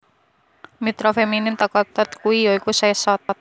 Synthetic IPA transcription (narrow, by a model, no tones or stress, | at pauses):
mit̪ɾofeminɪmt̪akɔt̪ɔt̪kuijoikusaɛsɔt̪ɔt̪̚